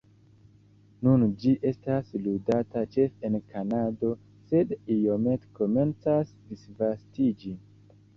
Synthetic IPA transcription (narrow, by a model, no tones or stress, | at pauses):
nund͡ʒiʔe̞stasludatat͡ʃe̞fe̞nkanado̞ | se̞dijome̞tko̞me̞nt͡sasdisvastid͡ʒi